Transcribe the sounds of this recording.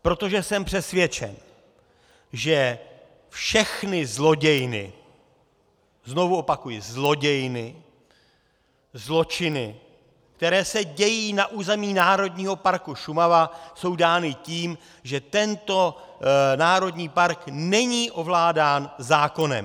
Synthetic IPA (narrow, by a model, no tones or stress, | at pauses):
pɾo̞t̪o̞ʒɛsɛmpr̝̥ɛsvjɛt͡ʃɛ̰n | ʒɛ | fʃɛxnɪzlo̞ɟɛjnɪ̰ | zno̞vuo̞pakujɪzlo̞ɟɛjnɪ | zlo̞t͡ʃɪnɪ | k̚t̪ɛɾɛːsɛɟɛjiːnaʔuːzɛmiːnaːɾo̞dɲiːɦo̞paɾkuʃumavaso̞wdaːnɪciːm | ʒɛt̪ɛnt̪o̞naːɾo̞dɲiːpaɾknɛɲiːʔo̞vlaːdaːnzaːko̞nɛ̰m